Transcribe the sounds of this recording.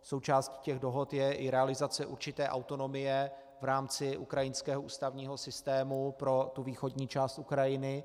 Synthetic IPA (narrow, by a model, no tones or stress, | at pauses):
so̞wt͡ʃaːsciːcɛɣdo̞ɦot̪jɛʔɪɾɛalɪzat͡sɛʔuɾt͡ʃɪt̪ɛːʔawt̪o̞no̞mɪjɛ | vɾaːmt͡sɪʔukɾajɪnskɛːɦoʔṵːst̪avɲiːɦo̞sɪst̪ɛːmupɾo̞t̪uviːxo̞dɲiːt͡ʃaːst̪ʔukɾajɪnɪ